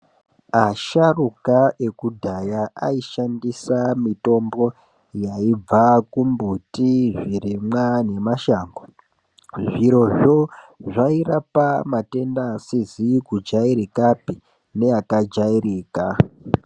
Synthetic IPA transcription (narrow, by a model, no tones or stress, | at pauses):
aʃarukae̞kudʱajaa̰iʃandisamito̞mbo̞ | jaib͡vakumbutiʐiɾimwane̞maʃaːŋɡo | ʐiɾo̞ʐo̞ʐaiɾapamate̞ndasizikud͡ʒaiɾikapi | ne̞akad͡ʒaiɾiːka